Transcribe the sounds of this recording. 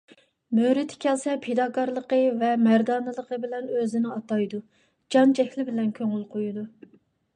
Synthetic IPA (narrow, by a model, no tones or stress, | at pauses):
møɾɪt̪ʰɪ̥kʲʰɛlsɛpʰed̪ɑːkʰɑɾlˠəqəvɛmæɾd̪ɑːnɨlˠəqʰəbɪlɛnøzɪnɪɑt̪ɑjd̪u | d͡ʒɑnd͡ʒɛkʲlɪbɪlɛnkʲʰøŋylˠqʰojud̪u